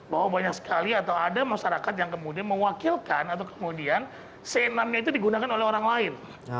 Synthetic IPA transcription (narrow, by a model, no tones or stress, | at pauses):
bawabaɲak̚sə̥kaliat̪awadamaʃaɾakat̪̬̚jaŋkəmudianməwakilkanat̪awkə̥mudian | sənamɲait̪udiɡunakanolɛhoɾaŋlaɪn